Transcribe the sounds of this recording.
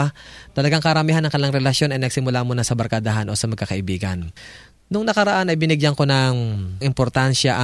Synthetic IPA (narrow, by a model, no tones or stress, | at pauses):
t̪ɐlɐɡaŋkɐɾɐmiːhanːɐŋkɐlaŋɾɛlɐsjo̞nɐjnɐɡ̚sɪmʊlamonɐsɐbɐɾkad̪aɦanʔo̞sɐmɐɡ̚kɐkɐʔɪbiːɡɐ̰n | nʊŋnɐkɐɾɐʔanɐjbɪnɪɡjaŋko̞nɐŋʔɪmpoɾt̪anʃɐʔɐ